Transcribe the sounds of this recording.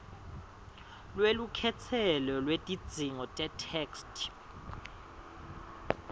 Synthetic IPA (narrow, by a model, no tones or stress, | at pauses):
lwelukʰɛt͡sʰɛlɔlwetʼid̥d͡z̥ʱiŋɔtʼɛtʰɛːkstʼʰ